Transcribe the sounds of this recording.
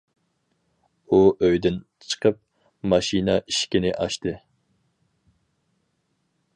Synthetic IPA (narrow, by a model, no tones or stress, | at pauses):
uʔøjd̪ɪnt͡ʃʰə̥qʰəp̚ | mɑʃinɑʔiʃkʲinɪʔɑʃt̪ɨ